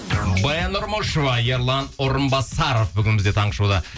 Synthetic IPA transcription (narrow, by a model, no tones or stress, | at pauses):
bɑjɑnoɾmoʃovɑjeɾlˠɑnoɾəmbɑsɑɾofbʏɡʲɪnmɪzd̪e̞t̪ʰɑɴqəʃud̪ə